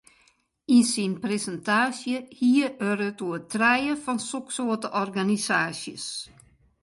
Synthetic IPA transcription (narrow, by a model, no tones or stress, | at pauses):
insinpresəntaːsjəhiəʔøɾətuətʰrɛjəfɔnsoksoətəʔɔrɡanisaːsjə̰s